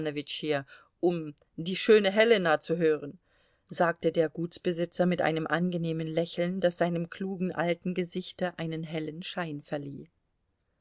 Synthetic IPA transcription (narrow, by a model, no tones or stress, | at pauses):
novɪt͡ʃhiːɐ | ʔʊm | diːʃøːnəɦɛlənat͡suɦøːʁən | zaːk̚tədeːɐɡuːtsb̥əzɪt͡sɐmɪtʔa̰ɪnəmʔanɡəneːmənlɛçl̩nd̥asz̥aɪnəmkʰl̥uːɡŋ̩ʔaltn̩ɡəzɪçtɐʔaɪnənɦɛlənʃaɪnfɛɐlḭː